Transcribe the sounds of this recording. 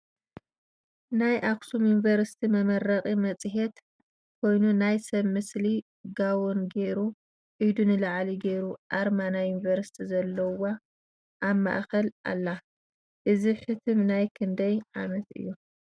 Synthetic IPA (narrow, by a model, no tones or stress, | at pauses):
najʔaksumjunvɐɾsi̥t̪ʰimɐmɐɾɐχʼimɐt͡sʼɨɦet̪ | kʰo̞jnunajsɐβmɨsli | ɡawunɡe̞ɾu | ʕɨjd̪unɨlaʕliɡeɾuʔaɾmanajunivɐɾsi̥t̪ʰizɐlːɐwa | ʔːβma̰ʔkɐlʔa̰lːa | ʔɨziħɨt̪ʰɨmnajkʰɨnd̪ɐjʕamɐt̪ʔɨ̰jːu